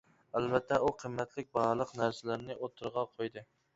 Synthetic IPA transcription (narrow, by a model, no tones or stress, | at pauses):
ælbɛt̪ʰːɛuqʰəmːæt̪ʰlɪk̚ʲbɑɾlˠəqnæɾsɪlæɾnɪʔot̪ʰːɨɾʁɑqʰojd̪ɨ